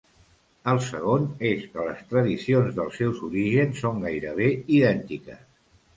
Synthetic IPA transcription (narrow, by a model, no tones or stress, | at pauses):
əlˠsəɣ̞oneskələst̪ɾəðisionzðəlˠsɛwzuɾiʒənsːoŋɡajɾəβ̞eiðɛnt̪ikə̰s